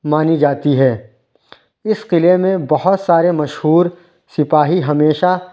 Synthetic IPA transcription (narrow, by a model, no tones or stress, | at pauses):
maːnid͡ʒaːt̪iɦɛː | ɪsqɪlemẽbɐɦʊt̪saːɾemɐʃɦuːɾ | sɪpaːɦiɦɐmeːʃa